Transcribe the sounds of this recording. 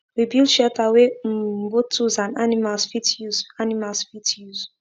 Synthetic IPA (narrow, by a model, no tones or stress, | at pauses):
wibilˠdʃɛtawebotʰuzãnanimalsfitjuzanimalsfitʰjuz̥